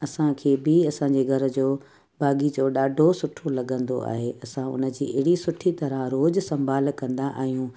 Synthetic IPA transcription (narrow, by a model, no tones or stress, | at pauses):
ɐsãkʰeːbɪɐsãɲd͡ʑeɡʱɐɾə̆d͡ʑoː | bʱaːɡid͡ʑoːɗaːɖʱosʊʈʰolɐɠə̃nd̪o̰a̰ːɦeʔɐsãʊ̰nə̆d͡ʑiːʔɪɦɪɽisʊʈʰit̪ɐɾə̃ɾoːd͡ʑsɐ̃mbʱaːlkɐ̃nd̪aʔa̰ːɦijũː